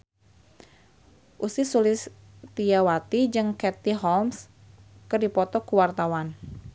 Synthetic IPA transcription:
ʔusɪsulɪs | t̪iawat̪id͡ʒɨŋkɛt̪iɦɔlms | kɨrdipɔt̪ɔkuwart̪awan

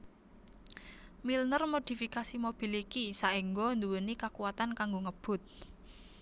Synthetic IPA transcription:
milnərmod̪̥i̤fikasimob̥i̤likisaʔiŋɡɔnd̪uwənikakuwat̪ankaŋɡoŋəb̥ʊ̤t̪̚

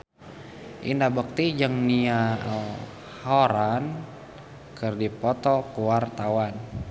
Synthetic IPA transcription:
ʔḭndabək̚t̪id͡ʒəŋnia | hoɾan | kərdipɔt̪ɔkuwart̪awan

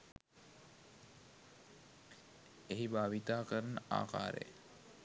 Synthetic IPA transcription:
eɦibaːʋit̪aːkəɾɐnəa̰ːqa̰ːɾḛ

